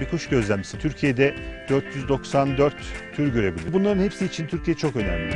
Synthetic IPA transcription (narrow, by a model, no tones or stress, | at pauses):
bikʰuʃɟø̞zlʲæmmisit̪ʰyɾcʰijed̪ɛd̪̥øɾt̪ʰjyzd̪o̞ksand̪øɾt̪ʰː | yɾɟø̞ɾe̞bilʲiɾbunlˠaɾɯnhepsiːt͡ʃʰint̪ʰyɾcʰijeɛt͡ʃʰo̞kø̞næ̰mlʲii